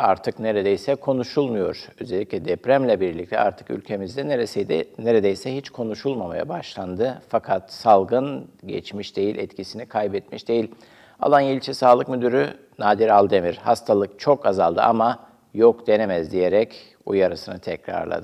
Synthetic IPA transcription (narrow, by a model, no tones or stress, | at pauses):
aɾt̪ʰɯkneɾed̪ejsɛkʰo̞nuʃulˠmujo̞̰ɾ̥øzelʲicʲlʲɛd̪ɛpɾæmlʲɛbiɾlʲic̚t̪ʰɛʔaɾt̪ʰɯ̥ky̰lʲcʰe̞mizd̪ɛd̪neɾed̪ejsɛhit͡ʃkʰo̞nuʃulˠmamaja̰baʃlˠand̪ɯfakʰat̪salˠɡɯnɟɛ̰t͡ʃmiʃd̪̥e̞jilʲʔɛt̪cʰisinikʰajbɛt̪̚miʃd̪e̞jilʲ | a̰lˠanjelʲt͡ʃʰɛsaːlˠɯkmyd̪yɾy | naːd̪iɾalˠd̪e̞miɾ̥hast̪ʰalˠɯk̚t͡ʃʰo̞kazalˠd̪ɯ̰ama | jokd̪̥e̞nemɛzd̪ije̞ɾɛc | ujaɾɯsɯnɯt̪ʰɛcɾa̰ɾlˠa̰d̪ɯ